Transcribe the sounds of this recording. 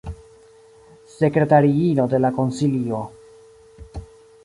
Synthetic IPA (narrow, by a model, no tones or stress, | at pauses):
se̞kɾe̞taɾiino̞de̞lako̞nsilio̞